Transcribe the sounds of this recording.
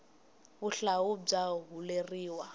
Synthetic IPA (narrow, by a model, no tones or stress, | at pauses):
bʊɬaʊb͡ʐaɦuleriːwa